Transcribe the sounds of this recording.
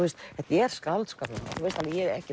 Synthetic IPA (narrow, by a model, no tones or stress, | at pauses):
uɛst̪ɛht̪ajɛɾ̥skawlt̪skaːplaa̰θuejst̪alijɛɾɛ̰hcɪ